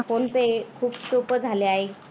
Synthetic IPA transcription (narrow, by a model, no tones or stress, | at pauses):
fonpekʰuːpsopəd͡zʱaleaɦe